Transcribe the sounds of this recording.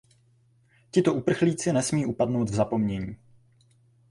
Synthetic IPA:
cɪt̪o̞ʔupr̩xliːt͡sɪnɛsmiːʔupadno̞wd̪vzapo̞mɲɛɲiː

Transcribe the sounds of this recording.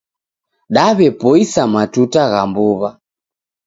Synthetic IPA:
ɗaβɛpɔisamatutaɣambuβa

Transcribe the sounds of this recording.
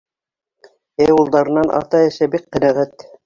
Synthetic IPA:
eulˠd̪ɑɾɤ̆nːɑnʔɑ̰t̪ɑɘ̆ʃæbiqːɘ̆næʁæt̪

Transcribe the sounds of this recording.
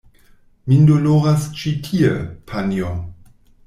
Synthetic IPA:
mindoloɾast͡ʃitʰiepʰanio

